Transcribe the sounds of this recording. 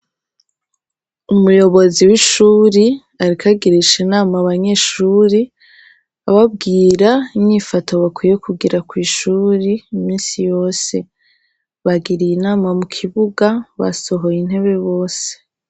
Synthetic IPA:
umujo̞βo̞ziwiʃuːɾi | aɾikʰaɡiɾiʃinaːmaβaɲe̞ʃuːɾi | aβab̚ɡiːɾaimɲifatʰo̞βakwije̞kuɡiɾakwiːʃuɾiːmiːnsijo̞ːse̞ | βaɡiɾijinaːmamukʰiβuɡaβa̰so̞ɦo̞jin̥he̞βe̞βo̞ːse̥

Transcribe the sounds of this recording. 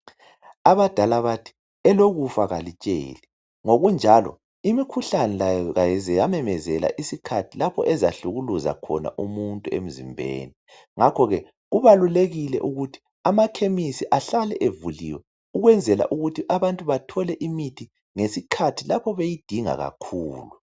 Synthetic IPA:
aβad̥ʱalaβatʰi̥ | ɛloɣufaɣalit͡ʃʼḛːli | ŋoɣund͡ʒʱalɔ̰ | imikʰuɬanɛlajɔɣajɛzɛjamɛmɛzɛla̰ʔisikʰatʰilapʰɔ̰ʔɛza̰ɬuɣuluza̰kʰɔ̰na̰ʔumuntʼuḛm̩zimbʱḛːni | ŋakʰɔɣɛ | ɣuβaluleɣilɛ̰ʔuɣutʰi̥ | amakʰemisiʔaɬalɛʔevuliwɛ | uɣwɛnd͡zʱɛla̰ʔuɣutʰiʔaβantʼuβatʰɔlɛʔimitʰi | ŋesikʰatʰilapʰɔβejid̥ʱiŋa̰ɣa̰kʰuːlu

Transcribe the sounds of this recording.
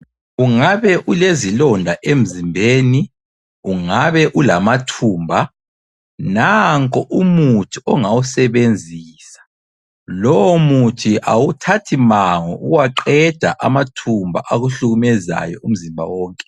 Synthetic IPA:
uŋaβɛʔulezilɔndʱaʔem̩zimbʱeːni | uŋaβɛʔulamatʰuːmbʱa | naŋkʼɔʔumutʰiɔŋawusɛβend͡zʱiːsḁ | lɔwɔmutʰiʔawutʰatʰimaŋɔṵɣwaǃɛd̥ʱaʔamatʰumbʱa̰ʔaɣuɬuɣumɛza̰jɔum̩zimbʱa̰wɔːŋkʼɛ

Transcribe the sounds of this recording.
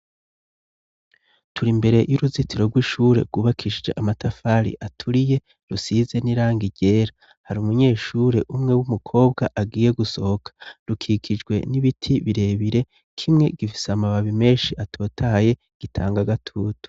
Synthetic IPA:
tʰuɾimbe̞ɾe̞juɾuzitiɾo̞ɡwiʃuːɾe̞̰ɾɡuːβakʰiʃid͡ʒḛʔamatafaːɾḭʔatʰuɾije̞ | ɾusize̞niɾaːŋɡiɟe̞ːɾa | haɾiumuɲe̞ːʃuɾe̞ʔumŋe̞wumukʰo̞ːbɡaʔaɡiːje̞ɡuso̞hokʰḁɾukʰiːkʰid͡ʒɡwe̞̰niβitʰiβiɾe̞ːβiɾe̞ | kʰimŋe̞ɡifi̥samaβaβime̞ːnʃiʔatʰo̞ːtʰahaje̞ | ɡ̥itʰaːŋɡaɡatʰuːtu̥

